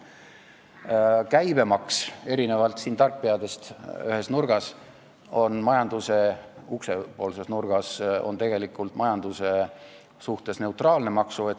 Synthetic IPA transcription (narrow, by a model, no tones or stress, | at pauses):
kæjbe̞mɑkse̞ɾine̞vɑlt̪siːnt̪ɑrkːiɑd̪e̞st̪yhe̞snurɡ̥ɑs | o̞nmɑjɑnd̪̥use̞ukse̞po̞ːlse̞snurɡ̥ɑso̞̰nt̪e̞ɡ̥e̞likːˑult̪mɑjɑnd̪̥use̞ | suht̪e̞sne̞wt̪rɑːlne̞mɑksuet̪